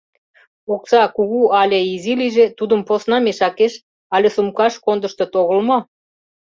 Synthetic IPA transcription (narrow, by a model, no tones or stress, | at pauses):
oksɑkuɣuɑlʲeiziliʒet̪ud̪ə̆mposnɑmeʃɑkeʃ | ɑlʲesumkɑʃkond̪əʃt̪ŏt̪oɣəlmo